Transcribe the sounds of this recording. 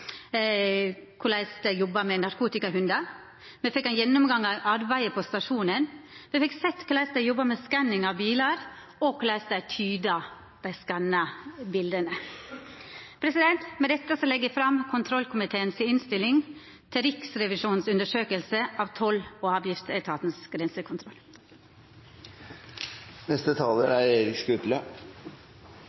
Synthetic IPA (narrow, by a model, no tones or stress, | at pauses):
kʰʊlæɪst̪əjɔbːɑmɛnɑɾkuːt̪ɪkɑɦʉnd̪ɑ | mɛfɛkːɑnjɛnːʊmɡɑŋːɑʔɑɾbæɪəpʰɔst̪ɑʂuːnənmɛfɛksɛt̪kʰʊlæɪst̪əjɔbːɑmɛskɑnːɪŋɑʋbiːlɑɾ | ɔkʰʊlæɪst̪æt̪ʰyːd̪ɑ | bɛskɑnːɑbɪld̪ənə | pʰɾɛsɪd̪ɛnt̪mɛd̪ɛt̪ːəsɔlɛɡːəfɾɑmkʰʊnt̪ʰɾɔlkʰʊmɪt̪ʰeːənsɪɪnst̪ɪlɪŋ | t̪ʰɪɾɪksɾɛʋɪʂuːnsʉnd̪əʂøːkəlsəʔɑːʋt̪ʰɔloːɑːʋjɪft̪æt̪ʰɑːt̪nsɡ̥ɾɛnsəkʰʊnt̪ʰɾɔlː | nɛst̪ət̪ʰɑːləɾæɾɛɾɪkkʉt̪lə